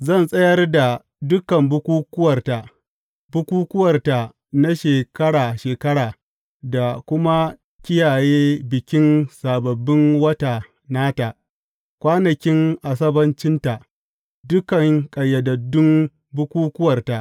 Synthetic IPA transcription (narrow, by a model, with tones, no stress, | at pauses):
zɐ˦˨nsʼɐ˦jɐ˦rda˨ | dʊ˦kɐ˨mbʊ˦kʷuː˦kʷʊ˦wɐ˨rta˨ | bʊ˦kʷuː˦kʊ˦wɐ˨rta˨ | na˦ʃeː˨kɐ˦ɽaː˨ʃeː˨kɐ˦ɽaː˨ | da˨kʷʊ˦ma˦ | kʲɪ˦jaː˨jeː˦bɪ˨kʲɪ˦nsaː˨bɐ˨bːɪ˦ŋwɐ˦ta˨ | naː˦ta˨ | kʷaː˦nɐ˨kʲɪ˦ŋʔa˨s̬ɐ˦bɐ˦nt͡ʃɪ˦nta˨ | dʊ˦kɐ˨ŋkʼɐ˨jːɐ˨dɐ˨dːʊ˦m | bʊ˦kʷuː˦kʊ˦wɐ˨rta˨ʔ